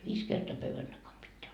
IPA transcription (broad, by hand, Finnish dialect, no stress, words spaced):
ʋiːs kertoɑ pøʋːæn d̥ɑkɑm pitːeæ